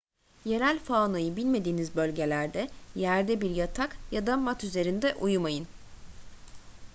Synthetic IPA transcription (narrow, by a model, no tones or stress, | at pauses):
je̞ɾælʲfaːnˠajɯbilʲme̞d̪iːnizbø̞lʲɟe̞lʲæɾd̪ɛjæɾd̪ɛbiɾjat̪ʰakjad̪amat̪yze̞ɾind̪ɛʔujumajɯn